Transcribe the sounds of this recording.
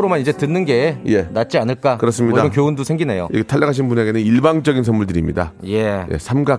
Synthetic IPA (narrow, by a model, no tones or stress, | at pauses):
ɾomanid͡ʑe̞tɯnːɯnɡe̞je̞nat̚t͡ɕ͈ianɯɭk͈akɯɾʌs͈ɯmɲidamenkjoundosʰe̞ŋɡine̞jo̰iɡetʰaʎːaɡʰaɕ̬ʰinbune̞ɡe̞nɯniɭbaŋd͡ʑʌɡins̬ʰʌnmuɭdɯɾimɲḭda̰je̞jḛsʰamɡa